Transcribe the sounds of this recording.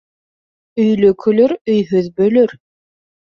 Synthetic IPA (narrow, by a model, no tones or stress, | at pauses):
ɵ̆jlɵkʰɵ̆lɵɾɵ̆jɦɵðbɵ̆lɵɾ